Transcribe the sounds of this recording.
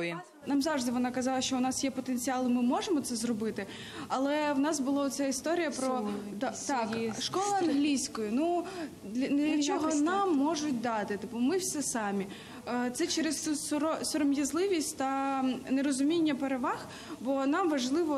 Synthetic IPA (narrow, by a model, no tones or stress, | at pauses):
nɑmzɑwʐd̪ɪʋɔnɑkɐzɑlˠɐʃt͡ʃɔʊnɑsjɛpɔt̪enʲt͡sʲiɑlˠɪmɪmɔʒemɔt̪sɛzrɔbɪt̪ɪ | ɐlˠɛwnɑsbʊlˠaɔt̪sɛist̪ɔɾʲijɐpɾɔt̪t̪ɑkʃkɔlˠʊɐnɦlʲijsʲkɔjʊnu | d̪lʲɐlʲɐt͡ʃɔɦɔnɑmːɔʒʊtʲd̪ɑt̪ɪt̪ɪpʊmɪwsʲɛsɑmʲi | t̪sɛt͡ʃɛɾesɔɾɔsɔɾɔmjɐzlˠɪʋʲisʲtʲt̪ɐneɾɔzʊmʲinʲːɐpeɾeʋɑx | bɔnɑmʋɐʒlˠɪʋɔ